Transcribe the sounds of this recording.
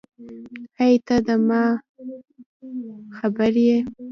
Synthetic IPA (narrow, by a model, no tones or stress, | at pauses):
hajt̪ad̪əmɑ | xabəɾje